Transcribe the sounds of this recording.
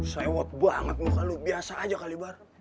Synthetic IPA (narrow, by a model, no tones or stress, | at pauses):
sajawɔt̪̚buaŋət̪̚mukalubiasaːd͡ʒakalibar